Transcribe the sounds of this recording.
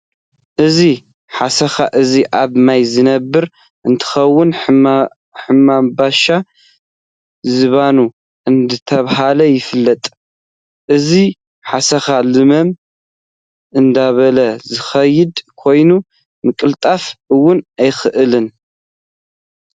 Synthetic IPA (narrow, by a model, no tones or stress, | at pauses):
ʔɨzi | ħasɐxaʔɨziʔaβmajzɨnɐbːɨɾ | ʔɨnt̪ʰɨ̥xɐwːʊn | ħɨmːambaʃa | zɨβanu | ʔɨnd̪ɨt̪ʰɐβɦalɐjɪfɨlːɐt̪ʼ | ʔɨzi | ħasɐxalɨmɐm | ʔɨnd̪aβɐlɐzɨxɐjːɪd̪kʰo̞jnu | mɨkʼɨlt̪ʼafʔɨwːʊnajxɨʔɨlɨn